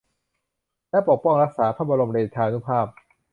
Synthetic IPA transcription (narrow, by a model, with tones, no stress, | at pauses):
lɛ˦˥po˨˩k̚pɔ˥˩ŋɾa˦˥k̚saː˩˦pʰaː˥˩ba˧ɾo˧mɾeː˧˩t͡ɕʰaː˧nu˦˥pʰaː˥˩p̚